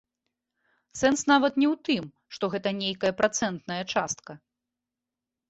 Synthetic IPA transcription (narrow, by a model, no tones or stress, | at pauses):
sɛnsnavɐt̪nʲɛwt̪ɨm | ʂt̪ɔɣɛt̪ɐnʲejkɐjɐpɾat̪sɛnt̪nɐjɐt͡ʂast̪kɐ